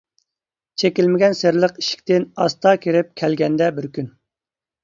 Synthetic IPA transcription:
t͡ʃʰekʲilmɪɡʲɛnsɪɾlˠəqi̥ʃi̥kʲt̪ɪnɑst̪ʰɑkʲiɾɪp̚kʲʰælɡʲɛnd̪ɛbɪɾkʲyn

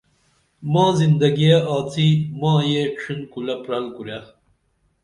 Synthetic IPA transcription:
mɑːzind̪ɐɡijeaːt͡sʰimɑ̃ːjepʂʰinkulɐpɾɐlkuɾja

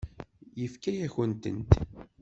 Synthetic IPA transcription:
jəfkæjæçənt̪ə̰nt̪

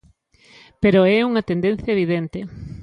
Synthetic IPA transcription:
peɾoɛuŋɐt̪end̪en̟θjɐeβiðent̪ɪ

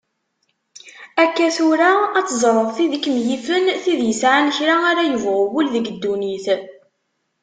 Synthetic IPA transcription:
ækːæθʊɾaːt͡sːəzˤɾˤəðˤθiðəkːmjifənθiðjəsʕanəçɾaaɾajəvʁʊwʊlðəɡəd̪ːuniθ

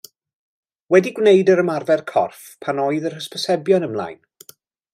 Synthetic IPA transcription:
wɛdiɡwnejdəɾəmarvɛrkʰɔ̰rfpʰanɔɨðərhəspʰəsɛbjɔnəmlˠa̰jn

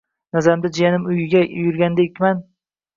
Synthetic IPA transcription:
nazaɾɪmd̪ad͡ʒijanɪmʊjɪɡʲajʊɾɡʲand̪ekʲman

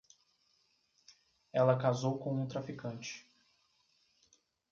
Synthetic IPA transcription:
ɛlɐkazowkõw̃ũt̪ɾafikɐ̃t͡ʃɪ̥

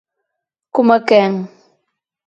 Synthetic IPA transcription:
kʊmakaŋ

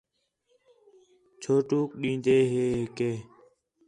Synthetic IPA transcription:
t͡ʃʰoːʈuːkɗĩːnd̪eːɦeːɦeːkeː

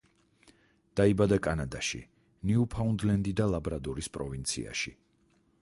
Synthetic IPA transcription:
d̪̥aibad̪akʼanad̪aʃḭ | niupʰaund̪lɛnd̪id̪alˠabɾad̪ɔɾispʼɾɔvint̪sʰḭa̰ʃi

